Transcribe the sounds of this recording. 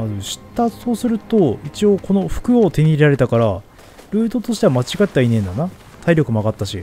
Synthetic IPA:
mazɨɕi̥t̪ːaso̞ːsɨɾɯ̟t̪o̞it͡ɕio̞ːko̞no̞ɸɯ̟̥kɯ̟ot̪e̞ɲ̟iɾaɾe̞t̪akaɾa | ɾɯ̟ːt̪o̞t̪o̞ɕi̥t̪eβamat͡ɕiɡat̪ːainẽ̞nd̪ana | t̪ʰaiɾʲo̞kɯ̟maɡat̪ːaɕḭ

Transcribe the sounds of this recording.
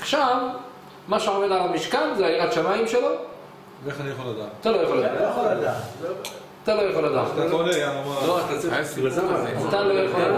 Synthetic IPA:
aʃav | maʃeomedalamiʃkanzeaiʁat̪ʃamaimʃelo̞ | veeχanijaχolad̪a̰ːtat̪alojaχxoladjaolad̪at̪ | at̪alo̞jaχolad̪a̰ːtaonejaamaloʁakassezamaiat̪alolojaχolada

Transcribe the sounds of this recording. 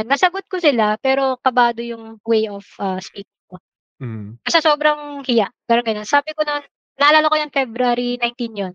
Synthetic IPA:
nːɐsɐɡot̪̚kosɪlapɛːɾo̞kɐbaːd̪ojʊŋwejofʔaːspiːt̪̚ɪŋko | b̥ɐst̪ɐsoːbɾɐŋhɪjaʔɡaɾɐnɡɐnonsaːbɪkononː | ɐhɐlaːlɐkojɐŋfɛbɾaɾinajnt̪injon

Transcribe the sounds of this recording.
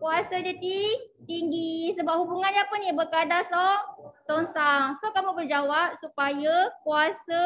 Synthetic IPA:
kuasad͡ʒadit̪iŋɡisəbap̚hubuŋand͡ʒapənibəkadasɔʔsɔnsaŋsɔʔkamubərd͡ʒawap̚supajakuasə

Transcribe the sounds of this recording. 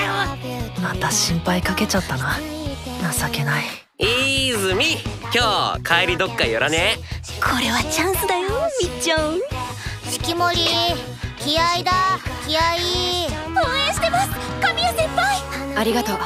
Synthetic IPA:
omat̪aɕĩmpaikake̞t͡ɕat̪ːananasake̞nai | iːzɨmʲi | kʲoːkʰaeɾʲid̪o̞kːaijoɾane | kʰo̞ɾe̞βat͡ɕãɰ̃sɨd̪ajomʲit͡ɕːõ | ɕi̥kʲimo̞ɾʲi | kʲiaid̪akʲiai | õːẽɕi̥t̪emasɨ̥kamʲiasẽmpaiaɾʲiɡat̪oː

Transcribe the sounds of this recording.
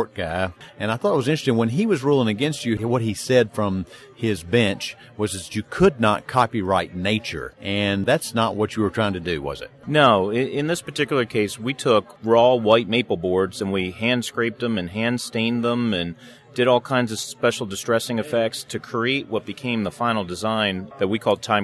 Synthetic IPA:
ɹt̚ɡ̥aɪɨ̃ñaɪθɔɾət̚wʌzɪ̃nt͡ʃɹ̥ɨstɪ̃ŋwə̃niwʌzɹulˠɪ̃ŋɨɡɛ̃nst͡ʃɨwʌt̚hisɛd̥fɹʌ̃m | ɪzbɛ̃nt͡ʃ | wʌzɨzjɨkʰʊdⁿnə̰t̚kʰɑpiɹaɪtⁿneɪt͡ʃə̰˞ʔɨ̃nðætsnəʔ̚wʌt͡ʃɨwə˞ɹ̥aɪɪ̃ŋtʰɨdɨwʌ̰zɨ̰t̚noʊɪɪ̃nðɪspə˞tʰɪkjl̩ˠə˞kʰeɪswitʰʊkɹɔwaɪt̚meɪpl̩ˠbɔɹdzɨ̃nwiɦæ̃nd̥skɹeɪp̚ðə̃mɨ̃nɦæ̃ndstẽɪ̃nðə̃mɨ̃n | dɨɾɔlˠkʰãɪ̃ndzʌv̥spɛʃl̩ˠdɨstɹ̥ɛsɪ̃ŋɨfɛk̚tstʰɨkʰɹ̥ieɪʔ̚wʌt̚b̥ɨkʰẽɪ̃mðəfãɪ̃nl̩ˠdɨzãɪ̃nðɨt̚wikʰɔlˠd̚tʰãɪ̃

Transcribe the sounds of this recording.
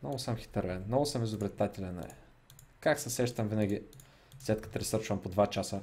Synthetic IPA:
nɔɡʊsəmxi̥t̪əɾvɛnnɔɡʊsəmizobɾɛt̪at̪ʲɛlʲɛnɛ̰ɛ | kaksɛsɛʃt̪əmvinəɡʲi | slɛt̪kə̥t̪ɾɛsɤɾt͡ʃvɐmpod̪vat͡ʃasə

